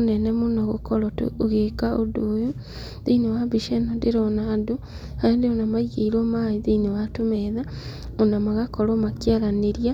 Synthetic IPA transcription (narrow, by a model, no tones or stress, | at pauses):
onɛnɛmonaɣokɔɾɔtoɣekaʔodoːjo | ðeinewabiʃɛnɔdeɾɔnado | haandeɔnamaiɣeiɾɔmaiðenewatomɛða | onamaɣakɔɾɔmakjaɾaneɾia